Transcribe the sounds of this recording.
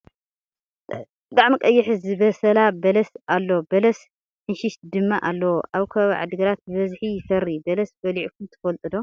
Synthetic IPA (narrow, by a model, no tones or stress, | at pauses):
bɨt̪ʼaʕmikʼɐjːɪħɨzɨbɐsɐlabɐlɐsalːobɐlɐs | ħɨnʃɪʃd̪ɨmːaʔalːɐwoʔaβkʰɐβʕa̰d̪ɨɡɐɾat̪̚bɨβɐzħijɪfɐɾːibɐlɐsbɐliʕukʰumt̪ʰɨ̥fɐlt̪ʼɨd̪o